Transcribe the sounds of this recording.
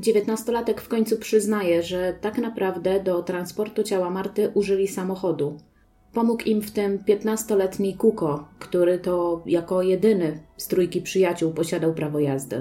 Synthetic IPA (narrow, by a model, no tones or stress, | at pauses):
d͡ʑevʲjɛt̪nast̪ɔlat̪ɛkfkɔɲt̪supʂɘznajɛʐɛt̪aknapɾavd̪ɛd̪ɔt̪ɾanspɔɾt̪ut͡ɕawamaɾt̪ɘʔuʐɘlʲisamɔxɔd̪u | pɔmukimft̪ɘmpʲjɛt̪nast̪ɔlɛt̪ɲikukɔkt̪uɾɘt̪ɔjakɔjɛd̪ɘnɘst̪ɾujkʲipʂɘjat͡ɕuwpɔɕad̪awpɾavɔjazd̪ɘ̰